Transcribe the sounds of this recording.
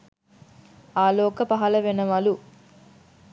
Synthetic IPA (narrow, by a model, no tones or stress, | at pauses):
aːlɔːkɐpɐɦɐlɐʋenɐʋaːlu